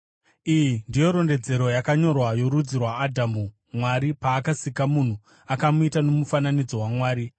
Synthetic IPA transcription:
ijindijo̞ɾo̞nde̞d͡ze̞ɾo̞jakaɲo̞rwajo̞ɾud͡zirwaːdʱamu | mwaɾipaːkasikamun̤u | akamuitano̞mufananid͡zo̞wamwaːɾi

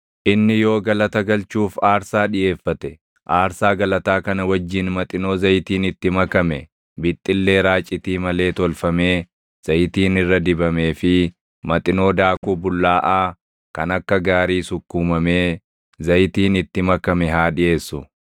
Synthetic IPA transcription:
ʔɪnːɪjo̞ːɡɐlɐt̪ɐɡɐlt͡ʃuːfaːɾsaːᶑɪje̞ːfːɐt̪ɛ | ʔaːɾsaːɡɐlɐt̪aːkɐnɐwɐd͡ʒːɪnmɐt̪ʼɪno̞ːzɐjt̪iːnɪt̪ːɪmɐkɐmɛ | bɪt̪ʼːɪlːe̞ːɾaːt͡ʃʼɪt̪iːmɐle̞ːt̪ɔlfɐmeː | z̥ɐjɪt̪iːnɪrːɐd̪ɪbɐme̞ːfɪ | mɐt̪ʼɪno̞ːd̪aːkuːbʊlːaːʔaː | kɐnɐkːɐɡaːɾiːsʊkːuːmɐme̞ː | zɐjt̪iːnɪt̪ːɪmɐkɐmɛɦaːᶑɪʔe̞ːsːʊ

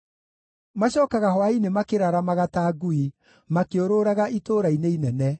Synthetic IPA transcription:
maɕɔːkaɣaɦwainemakeɾaɾamaɣataɡui | makeoɾoɾaɣaʔitoːɾaineinɛnɛ

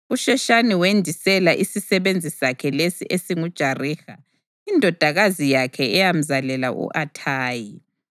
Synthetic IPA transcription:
uʃɛʃaniwendʱisɛlaʔisisɛβend͡zʱisakʰɛlesiʔesiŋud̥ʒ̥ʱariːxa | indʱɔd̥ʱaɣazijakʰɛɛjam̩zalɛla̰ʔṵʔatʰaːji

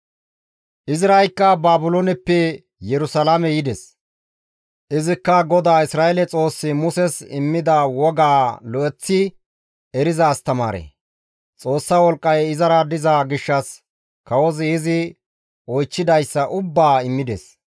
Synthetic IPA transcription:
ʔɪzɪɾɐjkːɐbaːbʊlonɛpːɛ | jɛɾʊsɐlamɛjɪd̪ɛs | ʔɪzɪkːɐɡɔd̪aːɪsɾaːʔɛlɛt͡sʼo̞ːsːɪmʊsɛsɪ̰mːɪd̪ɐwɔɡaːlɔʔɛt͡sːɪ | ɛɾɪzaːst̪ɐma̰ːɾḛ | t͡sʼo̞ːsːawɔlkʼːɐjɪzɐɾɐd̪ɪzaɡɪʃːɐs | kɐwɔzɪɪzɪ | ɔjt͡ʃːɪd̪ɐjsːɐʔʊbːaːɪmːɪd̪ɛ̰s

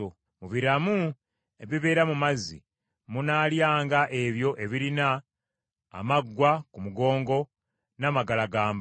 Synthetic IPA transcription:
o | muβiɾamu | eβiβe̞ːɾamumazḭ | munaːljaːŋɡaʔe̞βjo̞ʔe̞βiɾina̰ː | maɡːwakumuɡo̞ːŋɡo̞ | namaɡalaɡaːmb

